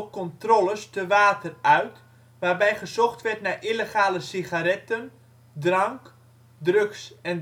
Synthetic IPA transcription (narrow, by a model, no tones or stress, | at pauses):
kɔntroləstəʋaːtərœɥt | ʋaːrbɛjχəzɔχtʋɛrtnaʔiləχaːləsiχaɾɛtən | drɑŋk | drøksɛn